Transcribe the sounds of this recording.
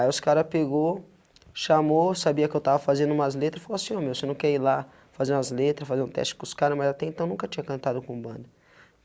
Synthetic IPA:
aiʊskaɾɐpeɡo | ʃamosabiɐkɪewt̪avɐfazẽnd̪ʊũmɐzlet̪ɾɐsfalosĩɲoɾmewsewnɐ̃w̃kɛɾila | fazeɾũɐzlet̪ɾɐsfazeɾũt̪ɛ̰st͡ʃɪ̥kõʊskaɾɐmazat̪ɛẽnt̪ɐ̃w̃nũkɐt͡ʃĩɲɐkɐ̃nt̪ad̪ʊkõbɐ̃nd̪ɐ

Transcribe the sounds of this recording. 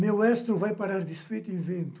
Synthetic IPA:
mewɛst̪ɾʊvajpaɾaɾd̪isfejt̪ẽvẽnt̪u̥

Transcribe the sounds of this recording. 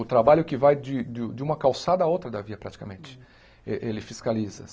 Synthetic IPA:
ʊt̪ɾabaʎʊkɪvajd͡ʒɪd̪ʊd͡ʒɪũmɐkawsad̪ɐaowt̪ɾɐd̪ɐviɐpɾat͡ʃi̥kɐmẽnt͡ʃɪ̥ | eʔelɪfiskalizɐ̰

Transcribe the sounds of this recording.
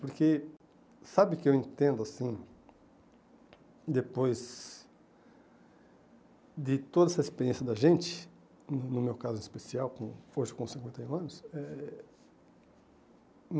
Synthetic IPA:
poɾke | sabɪkɪewẽnt̪ẽnd̪ʊasĩ | d̪epojz | d̪ɪt̪od̪ɐɛsɐispeɾiẽsjɐd̪ɐʒẽnt͡ʃ̪ɪ̥ | nʊnʊmewkazʊ̃ĩispesiawkõoʒɪkõsĩŋkwẽnt̪ɐjũɐ̃nʊsɛ | m

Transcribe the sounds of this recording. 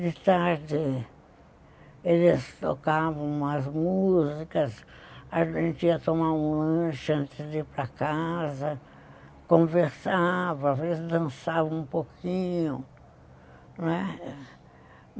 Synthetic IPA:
d̪ɪt̪aɾd̪ɪ | elɪst̪okavɐ̃w̃ɐzmuzikɐs | aʒẽnt͡ʃ̪ɪiɐt̪omaũɐ̃ʃʊɐ̃nt̪ɪzdipɾɐkazɐ | kõveɾsavɐavezzd̪ɐ̃nsavɐ̃ũpokʰĩɲʊ | nɛ

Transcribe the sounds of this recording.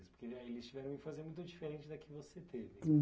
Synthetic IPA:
ɪspoɾkeaelɪst͡ʃivɛɾɐ̃ɪfazeɾmũj̃t̪ʊd͡ʒifeɾẽnt͡ʃɪd̪ɐkɪvoset̪ʰevɪ

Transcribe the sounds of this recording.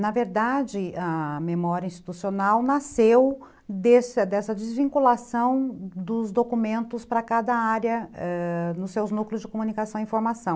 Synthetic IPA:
nɐveɾd̪ad͡ʒɪɐmemɔɾjɐĩst͡ʃi̥t̪usionawnasew | d̪esɐd̪ɛsɐd͡ʒɪzvĩŋkulasɐ̃w̃d̪ʊzd̪okumẽnt̪ʊspɾɐkad̪ɐaɾjɐɛnʊssewznukljʊzd͡ʒɪkomũnikasɐ̃w̃ĩfoɾmasɐ̃w̃

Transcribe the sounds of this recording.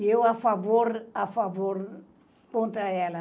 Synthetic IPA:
ewafavoɾafavoɾ | põnt̪aɛlə

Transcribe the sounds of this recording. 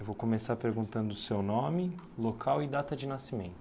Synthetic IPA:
ewvowkomesaɾpeɾɡũnt̪ɐ̃nd̪ʊsewnõmɪ | lokʰawɪd̪at̪ɐd͡ʒɪnasimẽnt̪

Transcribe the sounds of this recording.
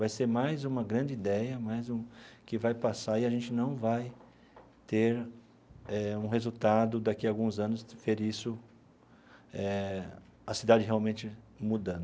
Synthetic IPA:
vajseɾmajzũmɐɡɾɐ̃nd͡ʒɪid̪ɛjɐmajzũkɪvajpasaɾɪaʒẽnt͡ʃɪnɐ̃w̃vaj | t̪eɾ | ɛũɦezut̪ad̪ʊd̪akiawɡũzɐ̃nʊsfeɾisʊ | ɛ | ɐsid̪ad͡ʒɪɦeawmẽnt͡ʃɪ | mud̪ɐ̃d̪ʊ

